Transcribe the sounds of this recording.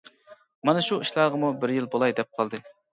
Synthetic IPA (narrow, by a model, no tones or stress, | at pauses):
mɑnɛʃuiʃlˠɑʁəmubɪɾjilˠbolˠɑjd̪ɛp̚qʰɑlˠd̪ɨ